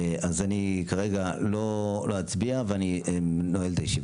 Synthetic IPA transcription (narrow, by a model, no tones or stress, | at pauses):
ʔazanikaʁeɡalo̞loat͡sbiaveanienoelt̪ajeʃiv